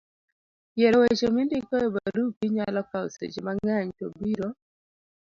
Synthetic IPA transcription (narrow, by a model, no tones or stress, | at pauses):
jɛɾɔwet͡ʃemindikɔebaɾupiɲalɔkao̰sḛt͡ʃemaŋaɲto̰biɾo